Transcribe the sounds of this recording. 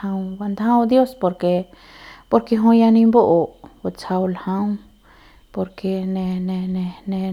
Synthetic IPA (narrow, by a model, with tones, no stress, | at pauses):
ã˧wba˧nd̪hã˦wd̪jo˦spo˧ɾke˧ | po˧ɾke˧ɦõ˧ja˧nĩ˧mbo˦ʔo˨bo˧t͡sa˧wlahã˦w | po˧ɾke˧ne˧ne˧ne˧ne˧